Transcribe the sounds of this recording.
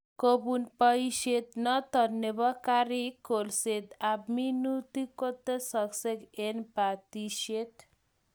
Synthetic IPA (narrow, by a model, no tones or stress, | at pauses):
kobunpəiʃet̪nɔt̪ɔnːebakaɾikolset̪abminut̪ikot̪esəksekenpat̪iʃet̪